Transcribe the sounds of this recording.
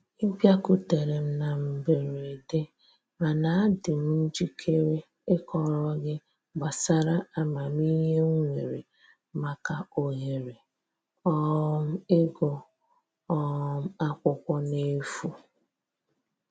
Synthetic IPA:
m̩˦pja˦ku˨te˨ɾe˨m̩˦na˨m̩˨be˨ɾe˨de˦ | ma˨na˨a˦dɪ˨m̩˦n̩˦d͡ʒi˦kʰe˦ɾe˦ | ɪ˦kɔ˨ɾɔ˦ɡɪ˦ | ɡ͡ba˨sa˦ɾa˦a˦ma˨m˦i˦ɦe˦ŋʷe˨ɾḛ˨ | ma˦ka˦o˨ɦe˨ɾe˨ | ɔ˦m̩˦ɪ˦ɡɔ˨ | ɔ˦m̩˦a˦kʷʊ˦kʷɔ˦ne˦fu˦

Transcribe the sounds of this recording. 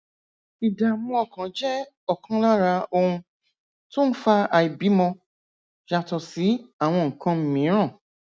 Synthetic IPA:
i˨da˨mũ˧˦ɔ˧˨kã˨˦d͡ʒɛ˦ | ɔ˦˨kʰã˧˦la˦ɾa˧o˧ũ˧ | to˦n̩˦fa˧a˧i˨bi˨˦mɔ̃˧ | ʃa˧tɔ˧si˨˦a˦˨w̃ɔ̃˧ŋ̩˨kã˧m̩˨mĩ˨˦ɾ̃ã˦˨

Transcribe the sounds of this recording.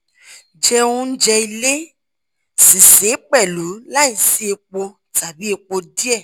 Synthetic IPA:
d͡ʒɛ˧ũ˧˦n̩˦d͡ʒɛ˧i˧le˦ | si˨se˨˦k͡pɛ˦˨lu˨˦la˦i˨si˨˦e˧k͡po˧ | ta˨bi˨˦e˧k͡po˧di˦ɛ˦˨

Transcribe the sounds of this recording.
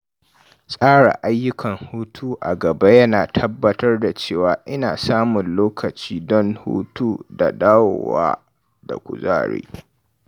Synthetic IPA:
sʼaː˦ɽa̰˨ʔa˦jːʊ˦kʰɐ˨ŋhuː˦tʰuː˦ʔa̰˨ɡɐ˨ba˦jɐ˦naː˨tʰɐ˦bːɐ˦tɐ˦rda˨t͡ʃeː˦˨waː˨ʔɪ˦naː˨saː˦mʊ˨nloː˦kɐ˨t͡ʃiː˦dɔ˦nhṵː˦tuː˦da˨daː˦woː˨wa̰ː˦ | da̰˨kʷʊ̰˨za̰ː˦ɽḛː˦

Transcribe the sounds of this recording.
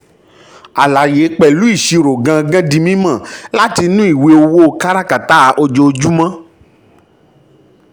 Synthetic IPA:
a˨la˨je˨˦k͡pɛ˨lu˨˦i˦˨ʃi˧ɾo˨ɡã˧ɡã˦dĩ˧mĩ˦mã˦˨la˦ti˧nũ˦i˦˨we˧o˧wo˦o˦˧˨ka˦ɾa˦ka˨ta˦˨˦ʔo˧d͡ʒo˧d͡ʒu˦mã˦

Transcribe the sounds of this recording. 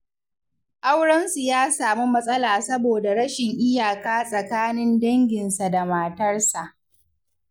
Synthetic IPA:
ʔa˦wɽɐ˦nsɪ˨jaː˦saː˨mu˦mɐ˦sʼɐ˦laː˨sɐ˦boː˨da˨ɽɐ˦ʃɪ˨ŋʔɪ˦jaː˨kaː˦sʼɐ˨kaː˦nɪ˦ndɐ˦ŋɡʲɪ˨nsa˨da˨maː˨tɐ˦rsa˨ʔ

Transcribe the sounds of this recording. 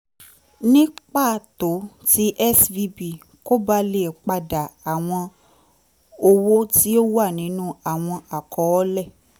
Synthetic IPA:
nĩ˦k͡pa˦˨to˨˦ti˧ʔɛ˦svi˧bi˨ | ko˦ba˦le˨k͡pa˧da˨a˨w̃ɔ̃˧ | o˧wo˦ti˦o˦wa˦˨nĩ˨˦nũ˦a˦˨w̃ɔ̃˧a˨kɔ˨˦ɔ˦lɛ˦˨

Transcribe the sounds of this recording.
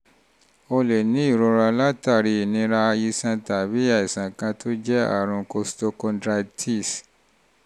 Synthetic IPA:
o˧le˨nĩ˨˦i˦˨ɾo˨˧ɾa˧la˦ta˦˨ɾi˧˨nĩ˧˦ɾa˧i˧sã˧ta˨bi˨˦a˦˨i˨sã˨kã˧tʰo˦d͡ʒɛ˦a̰˦˨ɾ̃ũ˧ko˧sto˧kɔ̃˧dɾa˧tʰi˦˨s

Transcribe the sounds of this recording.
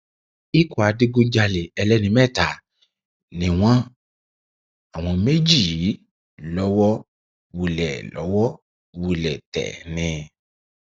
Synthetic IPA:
i˦ku˦˨a˨˧di˦ɡo˦d͡ʒa˧le˨ɛ˧lɛ˦nĩ˧mɛ˦˨ta˨ | nĩ˧w̃ɔ̃˦ | a˨w̃ɔ̃˧me˦d͡ʒi˦˨j | lɔ˦wɔ˦ | wu˨˧lɛ˨lɔ̰˨˦wɔ˦ | wu˧lɛ˨tɛ̰˨nĩ˧

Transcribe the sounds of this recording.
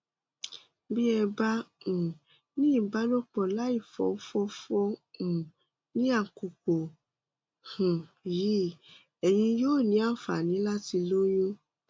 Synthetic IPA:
bi˦ɛ˧ba˦ũ˨ | nĩ˦i˦˨ba˨˦nõ˦k͡pɔ˨la˦i˦˨fɔ̰˨˦fɔ˦fɔ˦ũ˨ | nĩ˦a˦˨ku˨ko˨ | hũ˨ji˨˦ | ɛ˨j̃ĩ˧joː˦˨nĩ˨˦a˦˨fa˨nĩ˨˦la˦ti˧lo˦jo˦

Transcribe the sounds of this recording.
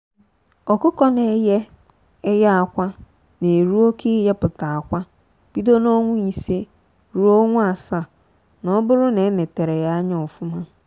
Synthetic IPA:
ɔ˨kʊ˦kɔ˦ne˨˦jɛ˦ | ɛ˦jɛ˦a˨kʷa˦ | nẽ˨e˨ɾu˦o˦kʰɪ˦jɛ˦pʊ˨ta˨a˨kʷa˦ | b̥i˦do˦nɔ̃˦ŋʷʊ̃˦i˨se˦ | ɾu˦o˦ŋʷʊ̃˦a˨sa˦ | nã˨ɔ˦bʊ˦ɾʊ˦nɛ̃˨˦nɪ̃˨tɛ˨ɾɛ˨ja˦ɲɪ̃˨ɔ˨fʊ˦mã˦

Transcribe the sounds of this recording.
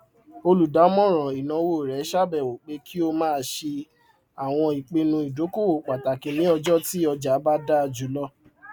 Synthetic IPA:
o˧lu˨da˨˦mɔ̃˦˨ɾ̃ɔ̃˨i˨nã˨˧˦wo˦˨ɾɛ˨˦ʃa˦bɛ˨o˨k͡pe˧˦kʰi˦o˧mãː˦˧ʃe˧ | a˨w̃ɔ̃˧i˨k͡pe˧nũ˧i˨do˨˦ko˦wo˦˨k͡pa˨ta˨kĩ˨nĩ˨˦ɔ˧d͡ʒɔ˦ti˦ɔ˧d͡ʒa˨˦ba˦da˦˧d͡ʒu˨˦lɔ˦

